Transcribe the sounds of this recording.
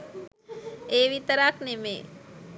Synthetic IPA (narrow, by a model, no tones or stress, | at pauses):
eʋit̪əɾaːknemḛ